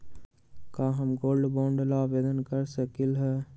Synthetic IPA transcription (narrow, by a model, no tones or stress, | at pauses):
kaːɦəmɡoːlɖboːɳɖlaːʋeːd̪ənkəɾsəkilɦɛː